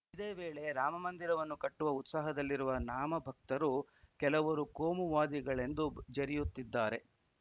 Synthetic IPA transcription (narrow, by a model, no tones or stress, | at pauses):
id̪eːʋe̞ːɭe̞ɾaːmɐmɐnd̪iɾɐʋɐnːukɐʈːuʋɐut̪saːɦɐd̪ɐlːiɾuʋɐnaːmɐbʱɐk̚t̪ɐɾukɛlɐʋɐɾukoːmuʋaːd̪iɡɐɭe̞nd̪ud͡ʒɐɾijut̪ːid̪ːaːɾe̞